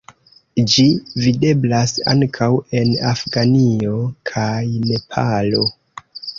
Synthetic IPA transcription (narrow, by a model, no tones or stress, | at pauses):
d͡ʒivide̞blasa̰ŋkʰawe̞nafɡanio̞kʰajne̞pʰalo̞